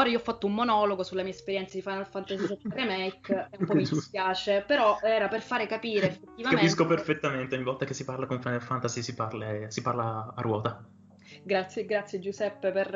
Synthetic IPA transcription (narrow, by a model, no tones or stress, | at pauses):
ɾaioɔfːat̪ːoumːonɔloɡosulamiːaespeɾjɛnt̪sad̪ifanalfant̪aziset̪ːremɛjkɛupɔmːid̪ispjaːt͡ʃepeɾɔɛːɾaperfaːɾekapiːɾefːet̪ːivamkaeiskoperfet̪ːament̪eɔɲːivɔlt̪akesːiparlakoɱfand̪afant̪azisiparlesiparla̰ːrwɔːt̪a | ɡɾat̪sjeɡɾat̪sːjed͡ʒuzɛpːeper